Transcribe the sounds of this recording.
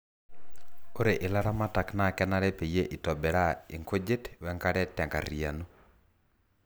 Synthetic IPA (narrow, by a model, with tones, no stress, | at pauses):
o˦ɾe˨ʔɪ˨la˦ɾa˦ma˦ta˨kna˦˨kɛ˦na˦ɾɛ˦pe˨je˦ʔi˨tɔ˨bɛ˨ɾa˦i˨ŋkʰo˦d͡ʒe˦twɛ˨˦ŋka˦ɾɛ˦tɛ˨ŋɡa̰˨ɾi˨a̰˨no˦